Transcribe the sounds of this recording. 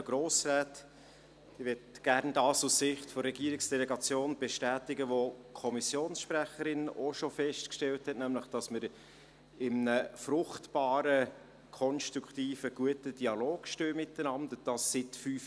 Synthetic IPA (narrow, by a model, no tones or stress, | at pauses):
ɡ̥ɾoːsræːt | ɪʋɛtɡ̥æɾndɑːsusːɪχtfoɾrɛɡiəɾɪksd̥ɛlɛɡɑt͡sjoːnb̥ɛʃtæːtɪɡəʋokʰɔmisjoːnsʃpɾæχəɾɪnoʃofɛʃtkʃtɛlthɛtnæmləχd̥ɑsməɾ | ɪmnəfɾʊχtbɑːɾə | kʰɔnstɾukʰtiːfəɡ̥uətəd̥iɑloːɡ̥ʃtøːmɪtənɑndəd̥ɑsːɪtfyːf